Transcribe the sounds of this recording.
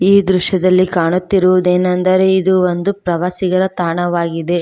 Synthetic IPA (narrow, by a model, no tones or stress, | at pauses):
iːd̪ɾuʃjɐd̪ɐlːikaːɳut̪ːiɾuʋud̪eːnɐnd̪ɐɾe̞id̪uond̪upɾɐʋaːsiɡɐɾɐt̪aːɳɐʋaːɡid̪e̞